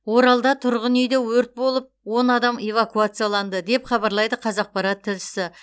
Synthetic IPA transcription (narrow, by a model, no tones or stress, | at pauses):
wo̞ɾɑlˠd̪ɑt̪ʰʊɾʁənejd̪ewɵɾt̪̚bo̞lˠəp̚wo̞nɑd̪ɑme̞vakuat̪sɨjalˠɑnd̪əd̪e̞pχɑbɑɾlˠɑjd̪əqʰɑzɑq̚pɑɾɑt̪ʰːɪlʃɪ̥sɪ